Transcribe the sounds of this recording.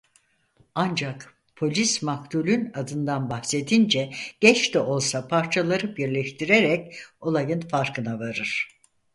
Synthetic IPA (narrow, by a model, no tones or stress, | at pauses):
and͡ʒak | pʰo̞lʲismakt̪ʰulʲynad̪ɯnd̪anbahse̞d̪ind͡ʒɛɟ̥ɛt͡ʃt̪ɛo̞lˠsapʰaɾt͡ʃʰalˠaɾɯbiɾlʲɛʃt̪ʰiɾeɾɛco̞lˠajɯnfaɾkʰɯnavaɾɯɾ̥